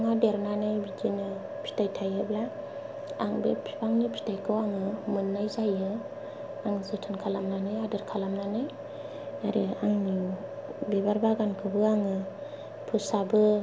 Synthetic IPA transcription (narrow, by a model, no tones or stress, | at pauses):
ŋadeɾnanɯjbidinɯ | pʰi̥tajtʰajɯbla | a̰ŋbepʰi̥paŋnipʰi̥tajkʰɯwaŋɯmɯnːajzajɯ | aŋzɯtʰɯnkʰalamnanɯjadɯɾkʰalamnanɯj | aɾiaŋni | bebaɾbaɡankʰɯbɯaŋɯ | pʰusabɯ